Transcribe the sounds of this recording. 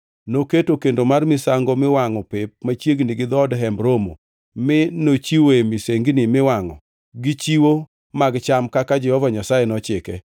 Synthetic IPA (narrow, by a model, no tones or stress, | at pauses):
noketokendomarmɪsaŋɡomɪwaŋɔpɪp̚mat͡ʃjeɡniɡɪd̪ɔdɦɛmbɾomo̰ | mɪnot͡ʃiwemɪseŋɡnɪmɪwaŋɔ̰ | ɡɪt͡ʃiwo | maɡt͡ʃamkakad͡ʒɛhɔvaɲasajenɔt͡ʃɪkɛ